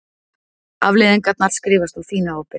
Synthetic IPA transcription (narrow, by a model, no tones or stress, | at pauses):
avlɪðɛnkat̪naɾ̥skɾiːvast̪θuθiːnaowpɪ